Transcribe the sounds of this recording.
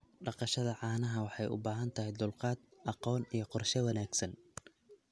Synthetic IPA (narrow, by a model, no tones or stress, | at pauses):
ɖɑqɑʃɐðɐʕɑːnɐɦɐwɑħɑjʊ̰baːɦɐnt̪ʰɐɦɛjd̪ʊlqɑːd̪̚ʔɑqɔːnijɞqɔrʃɛwɑnaːɡsɐn